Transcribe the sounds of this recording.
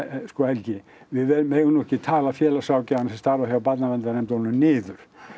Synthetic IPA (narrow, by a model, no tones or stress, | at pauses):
skɔːɛlcɪ | vɪðvɛmeːjɣʏnɔhcɪt̪ʰaːlafjɛːlasawcɪanasɛst̪aːɾvaçjawpat̪navɛnt̪aɾnɛmt̪ɔnːʏnɪːðʏɾ̥